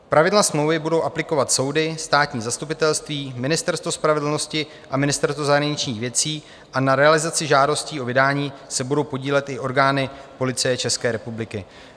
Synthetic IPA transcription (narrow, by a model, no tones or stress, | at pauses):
pɾavɪdlasmlo̞wvɪbudo̞wʔaplɪko̞vat̪so̞wdɪst̪aːt̪ɲiːzast̪upɪt̪ɛlst̪viːmɪnɪst̪ɛɾst̪vo̞spɾavɛdl̩no̞scɪ | ʔamɪnɪst̪ɛɾst̪vozaɦɾaɲɪt͡ʃɲiːxvjɛt͡siː | ʔanaɾɛalɪzat͡sɪʒaːdo̞sciːovɪdaːɲiːsɛbudo̞wpo̞ɟiːlɛt̪ʔɪʔo̞ɾɡaːnɪpo̞lɪt͡sɪjɛt͡ʃɛskɛːɾɛpublɪkɪ